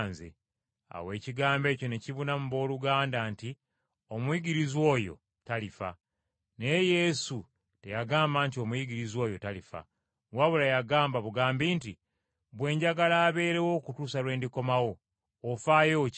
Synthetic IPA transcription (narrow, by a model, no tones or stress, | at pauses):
nzḛ | a̰we̞ːciɡaːmbe̞ːco̞ne̞ciβunamuβo̞ːluɡaːndanti | o̞mwjiɡiɾizwo̞ːjo̞̰ | talifa̰ | ne̞je̞su | te̞jaɡaːmbaːntio̞mujiɟiɾizwo̞ːjo̞talifa̰ | waβulajaɡaːmbaβuɡaːmbiːnti | βwe̞ːɲɟaɡalaːβe̞ːɾe̞wo̞ːkutuːsalwe̞ːndiko̞mawo̞ː | faːjoː